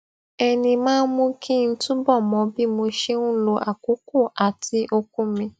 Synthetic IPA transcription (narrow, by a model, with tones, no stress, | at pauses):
ɛ˧nĩ˧mãː˦n˦mũ˦kʰi˦n̩˦tũ˦bɔ˦˨mɔ̃˨˧˦bi˦mo˧ʃe˦nũ˦lo˧ʔa˨ku˨˦ko˦˨ʔa˨tʰi˧ʔo˧kũ˦mĩ˧